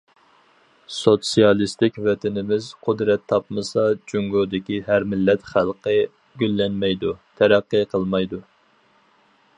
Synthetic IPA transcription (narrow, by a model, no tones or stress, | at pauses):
sot̪sijɑlˠist̪ɪkʲvɛt̪ɪnɪmɪzqʰʊd̪ɾɛt̪ʰːɑpmɨsɑd͡ʒyŋɡod̪ɪkʲiɦæɾmɪlːɛt̪χælˠqə | ɡʲylːɛnmɛjd̪ut̪ʰɛɾæqːɨqʰəlˠmɑjd̪u